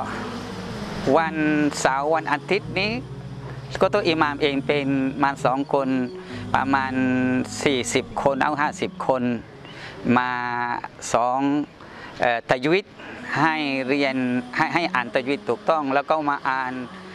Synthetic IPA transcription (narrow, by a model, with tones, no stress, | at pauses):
wa˧nsaː˨˦wːa˧nʔa˧t̪ʰi˧˦˥t̪̚niː˦˥˨ | kɔː˧˦t̪oː˧ʔiː˧˨maː˧mʔeː˨˧ŋpe˧nmaː˧nsɔː˨˦ŋkʰo˧n | pa̰˧maː˧nsiː˨˩si˨˩p̚kʰo˧nʔa̰˧˩˨ɦaː˥˩si˨˩p̚kʰo˧n | maː˧ | sɔː˨˦ŋ | ʔɤː˨˩t̪a˧ji˦˧˩t̪̚ha˥˩jɾi˧ənha˧˨jɦa˧˥˩jʔaː˨˩nt̪a˧ju˧i˦˩t̪ʰːuː˨˩k̚t̪ɔ˥˩ŋlɛː˧˩wkʰa˧˩˨wmaː˧ʔaː˨˩n